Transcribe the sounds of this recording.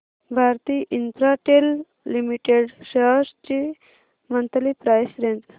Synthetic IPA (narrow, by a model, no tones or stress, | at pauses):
bʱaɾt̪iʔinpʰɾaʈelː | imiʈeɖʃest͡ʃi | mənt̪əlipɾajsɾẽnd͡z